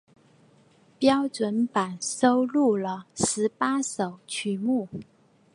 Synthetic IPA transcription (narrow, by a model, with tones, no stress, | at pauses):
pjɑ˥ʊʈ͡ʂwə˧˥npa˨˩nso˥ʊlu˥˩lə˨ʂɻ̩˧˥pa˥ʂo˨˩ʊt͡ɕʰy˨˩˦mu˥˩